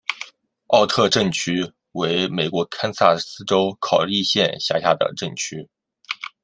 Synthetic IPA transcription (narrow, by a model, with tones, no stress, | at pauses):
ɑ˥˧ʊt̪ʰɤ˥˧ʈ͡ʂə˥˩ŋt͡ɕʰy˥ | we˧˥ɪme˨˩ɪkwɔ˧˥kʰa˥nsa˥˩sɹ̩˥ʈ͡ʂo˥ʊkʰɑ˨˩ʊli˥˧ɕjɛ˥˧nɕja̰˥˧ɕja̰˥˩d̪ə̰˩ʈ͡ʂə˥˩ŋt͡ɕʰy˥